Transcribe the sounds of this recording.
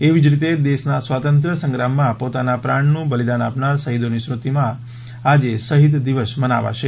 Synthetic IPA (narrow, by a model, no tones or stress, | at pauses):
eʋid͡ʒɾit̪ed̪eʃnasʋat̪ənt̪ɾəsə̃ŋɡɾamːãpot̪anapɾaɳnũbəlid̪anapnaɾsəɦid̪onisɾut̪imã | ad͡ʒesəɦid̪d̪iʋəsməna̰ʋa̰ʃe